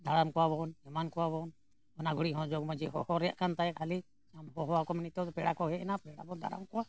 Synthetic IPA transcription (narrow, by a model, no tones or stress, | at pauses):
d̪ʱaɾamkɔwabɔnɛmankɔwabɔn | ɔnaɡʱuɽiʔɦɔ̃d͡ʒɔɡmãd͡ʒɛɦɔhɔɾɛja̰ʔkant̪ajakhali | amɦɔɦɔwakɔmɛnit̪ɔd̪ɔpɛɽakɔɦɛɛnapɛɽa̰bɔd̪ʱa̰ɾa̰mkɔwa